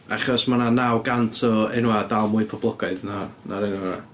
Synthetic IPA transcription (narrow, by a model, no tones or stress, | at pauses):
aχɔsmananawɡantʰɔɛnwadalˠmʊɨpʰɔblˠɔɡaɨðnanaɾɛna̰